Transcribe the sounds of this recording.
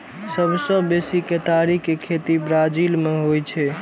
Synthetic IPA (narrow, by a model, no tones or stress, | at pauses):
səbʱsə̃besiket̪aɾikekʰet̪ibɾad͡ʒilmeɦojt͡ʃʰɛ